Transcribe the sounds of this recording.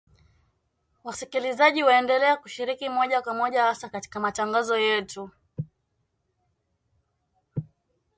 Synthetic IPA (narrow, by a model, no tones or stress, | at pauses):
wasikilizaʄiwaɛndɛlɛakuʃiɾikimɔʄakwamɔʄahasakati̥kamataŋɡazɔjɛtu